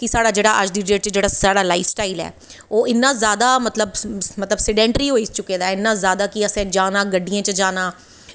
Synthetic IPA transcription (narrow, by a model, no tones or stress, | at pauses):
kɪsaːɽaːd͡ʒeːɽaːʔəd͡ʒd̪iːɖeːt͡ʃd͡ʒeːɽaːsaːɽaːlaifsʈaːiːlɛ̰ː | oːɪnːãːzjaːd̪aːmət̪ləbmət̪ləbsɪɖɛ̃ːɳʈɾiːɦoːit͡ʃʊkeːd̪aːɪnːãːzjaːd̪aːkɪəsɛ̃ːd͡ʒaːnãːɡəɖːijãːt͡ʃəd͡ʒaːnaː